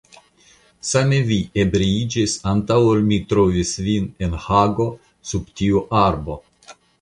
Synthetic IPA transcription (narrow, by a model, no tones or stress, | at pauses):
sameviebɾeid͡ʒisantawolmitɾo̞visvine̞nhaɡo̞ | subtiuʔaɾbo̞